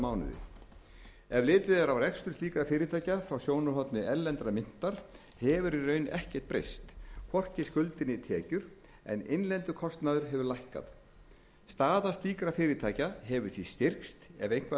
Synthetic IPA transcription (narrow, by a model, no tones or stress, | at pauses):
maːwnʏ̰ðʏ̰ | ɛvlɪːt̪ɪðaɾawrɛkst̪ʏɾ̥t̪iːkɾafɪːɾɪt̪ʰaːjcafɾawsjoːwnʏɾɦɔt̪nʏʔɛlːɛnt̪ɾamɪn̥t̪aɾ̥ | hɛvʏɾirœːɥnɛhcɛ̥t̪̚pɾḛjst̪kʰvɔr̥cɪskʏlt̪ɪnɪt̪ʰɛːcʏɾ̥ | ɛ̰nḛjnlɛnt̪ʏkʰɔst̪naðʏɾɦɛvʏɾlajhka̰θ | st̪aːðast̪iːkɾafɪːɾɪt̪ʰaːjcaɦɛvʏɾ̥θist̪ɪr̥kst̪ɛ̰vejŋ̥kva